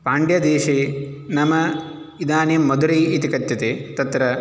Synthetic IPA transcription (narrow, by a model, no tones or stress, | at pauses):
paːɳɖjɐd̪eːʃinɐmɐ | id̪aːnjɐmːɐd̪uɾiːit̪ikɐt̪jɐt̪et̪ɐt̪ɾɐ